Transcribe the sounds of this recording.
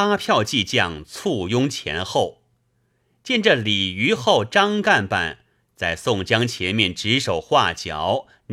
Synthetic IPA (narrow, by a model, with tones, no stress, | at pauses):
a˥pʰjɑ˥˧ʊt͡ɕi˥˧t͡ɕjɑ˥˩ŋt͡sʰu˥˩jʊ˥ŋt͡ɕʰjɛ̰˧˥nxo˥˩ʊ | t͡ɕjɛ˥˧nʈ͡ʂə˥˩li˨˩y˧˥xo˥˩ʊʈ͡ʂɑ˥ŋka˥˧npa̰˥˩n | t͡sa˥˧ɪsʊ˥˩ŋt͡ɕjɑ˥ŋt͡ɕʰjɛ˧˥nmjɛ˥˩nʈ͡ʂɻ̩˧˥ʂo˨˩ʊxwa˥˩t͡ɕjɑ̰˨˧˩ʊ | n